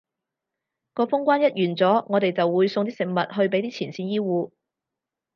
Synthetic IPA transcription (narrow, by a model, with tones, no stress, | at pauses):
kɔː˧fʊ˥ŋkʷaː˥njɐ˥t̚jyː˨˩nt͡sɔː˨˥ŋɔː˨˧t̪e˨jt͡sɐ˨wːuː˨˧jsʊ˧ŋt̪iː˥sɪ˨ŋ̚mɐ˨t̚ɦɵ˧ɥp̬e˨˥t̪iː˥t͡sʰiː˨˩nsiː˧njiː˥wuː˧